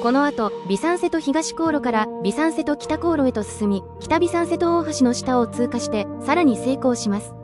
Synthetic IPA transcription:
ko̞no̞at̪o̞bʲisãɰ̃se̞t̪o̞çiɡaɕi̥ko̞ːɾo̞kaɾabʲisãɰ̃se̞t̪o̞kʲi̥t̪ako̞ːɾo̞e̞t̪o̞sɨ̥sɨmʲikʲi̥t̪abʲisãɰ̃se̞t̪o̞oːɦaɕino̞ɕi̥t̪ao̞t͡sɨːkaɕi̥t̪e̞saɾaɲ̟ise̞ːko̞ːɕimasɨ̥

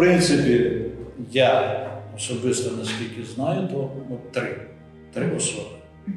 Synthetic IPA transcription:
pɾɪnt̪sɪpʲijaɔsɔbɪst̪ɔnɐsʲkʲilʲkʲɪznɑjʊt̪ɔɔt̪ɾɪ | t̪ɾɪɔsɔb

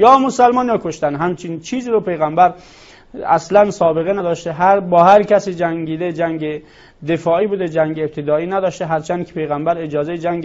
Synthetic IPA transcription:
jɒːmosælmɒːnjɒːkʰoʃt̪ænɦæmt͡ʃʰint͡ʃʰiːziːɾopʰe̞jɣæmbæɾ | æslænsɒːbe̞ɣenæd̪ɒːʃt̪eɦæɾbɒːhæɾkʰæsiːd͡ʒæŋɡiːd̪ed͡ʒæŋɡe | d̪e̞fɒːiːbud̪ed͡ʒæŋɟeːb̚t̪ʰed̪ɒːiːnæd̪ɒːʃt̪eɦæɾt͡ʃʰænd̪kʰe̥pʰe̞jɣæmbæɾed͡ʒɒːzejed͡ʒæŋɡ

